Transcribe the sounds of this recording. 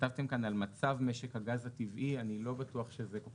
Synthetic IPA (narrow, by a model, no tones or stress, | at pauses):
tavt̪e̞mkanalmat͡savme̞ʃekhaɡazativʔianilo̞batuaχʃezeko